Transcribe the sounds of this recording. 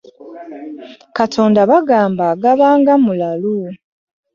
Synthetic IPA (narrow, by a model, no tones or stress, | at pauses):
katʰo̞ːndaβaɡaːmbaːɡaβaːŋɡamulalu